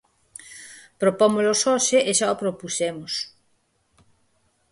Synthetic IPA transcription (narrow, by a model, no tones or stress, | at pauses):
pɾopomolosoʃeʔeʃaopɾopusemos